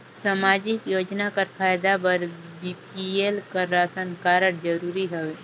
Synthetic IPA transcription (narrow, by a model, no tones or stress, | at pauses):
saːmaːd͡ʒɪkjoːd͡ʒnakaɾfʰaːjd̪abɐɾbiːpielkɐɾɾaːsənkaːɾəɽd͡ʒəɾuːɾiɦɛe